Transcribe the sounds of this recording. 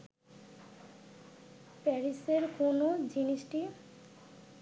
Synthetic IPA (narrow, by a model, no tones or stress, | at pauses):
pɛɾiseɾkonod͡ʑiniʃʈi